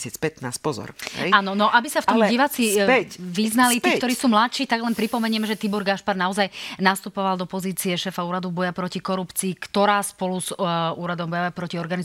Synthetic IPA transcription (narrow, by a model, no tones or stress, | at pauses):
sɛt͡spɛt̪naːspɔzɔ̰ɾɦɛ̰aːnɔnɔʔabisaft̪ɔmiʋat͡siʋiznalit̪iːkkt̪ɔɾiːsuːmlat̪ʃiːt̪aɡlɛnpɾipɔmɛɲɪɛmɛʒɛt̪ibɔɾɡaʃpaɾnaɔzajnast̪upɔʋald̪ɔpɔziːt͡siɛʃɛːfauːɾad̪ubɔjapɾɔcikɔɾupt͡siːkt̪ɔɾaːspɔluzuːɾad̪ɔmbɔjɔʋɛpɾɔciɔɾɡani